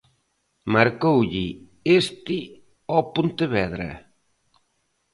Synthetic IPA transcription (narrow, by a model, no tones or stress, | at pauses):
maɾkowʎɪ | est̪ɪ | ɔpont̪eβɛðɾɐ̰